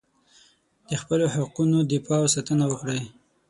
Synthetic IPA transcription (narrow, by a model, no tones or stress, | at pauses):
d̪̥əxpəlohaqunod̪ɪpɑwsɑt̪ənawəxɽaj